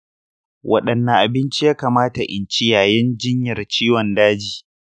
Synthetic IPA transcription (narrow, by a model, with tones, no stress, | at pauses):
wʔɐ̰˦ɗɐ˨nːɐ˨ʔa˨bɪ˦nt͡ʃi˦jaː˦kaː˨maː˦ta˨ʔɪ˨nt͡ʃi˦jaː˨jɪ˦nd͡ʒɪ˦ɲjɐ˨rt͡ʃiː˦wɔ˨ndaː˦d͡ʒiː˨